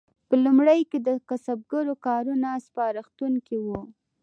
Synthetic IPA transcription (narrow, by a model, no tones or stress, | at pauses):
pəlumɽəjked̪əkasab̚ɡaɾokɑɾunaspɑɾɪxt̪unkiwu